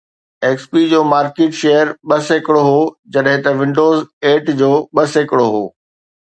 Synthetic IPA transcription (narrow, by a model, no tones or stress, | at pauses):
eːkspiːd͡ʑoːmaːɾkeːʈʃejəɾɓɐsekɽoɦoːd͡ʑɐɗɦɪ̃t̪ɐʋɪ̃ɳɖoːzeːʈd͡ʑoːɓɐsekɪɽoɦoː